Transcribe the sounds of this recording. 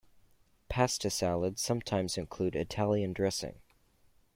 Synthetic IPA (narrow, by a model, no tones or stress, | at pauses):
pʰæstɨsælˠəd̥sʌ̃mtʰãɪ̃mzɨ̃nkʰl̥ʉɾɨtʰælˠjɨ̃ndɹɛsɪ̰̃ŋ